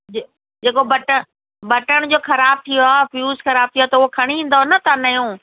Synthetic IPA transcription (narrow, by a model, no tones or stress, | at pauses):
d͡ʑeːkobɐʈə | bɐʈəɽ̃d͡ʑoːxɐɾaːb̚t̪ʰijoafjuːzxɐɾaːb̚t̪ʰijoaːt̪ɐʊɦokʰɐɽ̃iĩːnd̪onɐt̪anɐjõː